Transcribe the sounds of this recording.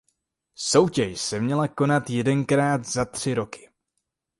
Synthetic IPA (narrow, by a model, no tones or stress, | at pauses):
so̞wcɛʃsɛmɲɛlako̞nat̪jɛdɛnkɾaːt̪zat̪r̝̥ɪɾo̞kɪ̥